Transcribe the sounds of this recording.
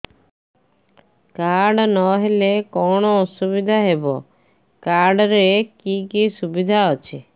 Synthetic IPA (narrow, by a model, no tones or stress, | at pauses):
kaɾɖnɔɦelekɔɽ̃ɔːsuβid̪ʱaɦebɔ̰ | kaɾɖɔɾekikisubid̪ʱaɔt͡ʃʰe